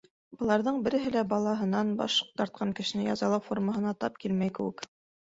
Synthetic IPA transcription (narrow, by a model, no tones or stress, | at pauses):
bɤ̆lˠɑɾðɤɴbɘ̆ɾɘ̆ɦɘlæbɑlˠɑɦɤ̆nɑnbɑ̰ʃ̚t̪ɑɾt̪̚qʰɑŋkɘ̆ʃɘ̆nɘjɑ̰zɑlˠɑwforməɦɤ̆nɑt̪ɑp̚kilmæjkɘ̆wɘ̰k